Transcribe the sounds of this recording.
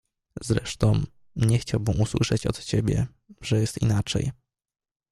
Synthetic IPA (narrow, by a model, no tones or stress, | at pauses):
zɾɛ̰ʂt̪ɔ̃w̃ | ɲɛxt͡ɕawbɘmʔuswɘ̰ʂɛt͡ɕɔ̰t̪t͡ɕebʲjɛ̰ | ʐɛjɛst̪ḭnat͡ʂɛ̰j